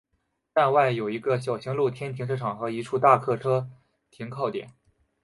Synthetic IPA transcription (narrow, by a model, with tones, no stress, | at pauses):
t̪a˥˧nwa˥˩ɪjo˨˩ʊi˧˥ɡə˧ɕjɑ˨˩ʊɕi˧˥ŋlu˥˩t̪ʰjɛ˥nt̪ʰi˧˥ŋʂʰɤ˥ʈ͡ʂʰɑ˨˩ŋxɤ˧˥i˧˥ʈ͡ʂʰu˥˧t̪a˥˧kʰɤ˥˩ʈ͡ʂʰɤ˥ | t̪ʰi˧˥ŋkʰɑ˥˩ʊt̪jɛ̰˨˩˦n